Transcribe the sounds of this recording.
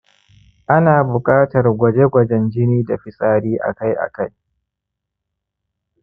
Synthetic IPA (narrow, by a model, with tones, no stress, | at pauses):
ʔa˦naː˨bʊ˨kʼaː˦tɐ˨rɡʷɐ˨d͡ʒe˦ɡʷɐ˨d͡ʒɛ˦nd͡ʒɪ˦niː˦da˨ɸɪ˨sʼaː˦ɽiː˦ʔa̰˨ka˦jʔa̰˨ka˦j